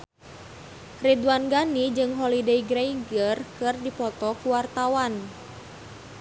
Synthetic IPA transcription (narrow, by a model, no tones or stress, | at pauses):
ridwanɡanid͡ʒɨŋɦɔlideiɡɾejɡərkɨrdipɔt̪ɔkuwart̪awan